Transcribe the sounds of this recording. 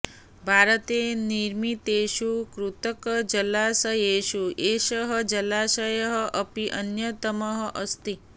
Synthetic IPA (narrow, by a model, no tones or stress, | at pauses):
bʱaɾət̪eniɾmit̪eʃukɾut̪əkd͡ʒəlasəjeʃueʃəɦəd͡ʒəlaʃəjəɦəʔəpiʔənjət̪əməɦəʔəst̪i